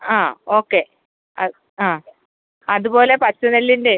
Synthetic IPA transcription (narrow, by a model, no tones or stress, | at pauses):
aːoːkːe̞ | ɐ̰ | aː | ɐðubo̞ːle̞pɐt͡ɕːunelːiɳɖe